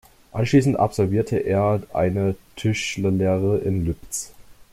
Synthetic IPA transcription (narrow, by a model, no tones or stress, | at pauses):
ʔanʃliːsn̩tʔa̰pz̥ɔlviːɐtʰəʔeːɐʔa̰ɪnətʰʏʃlɐleːʁəʔɪnlʏpt͡s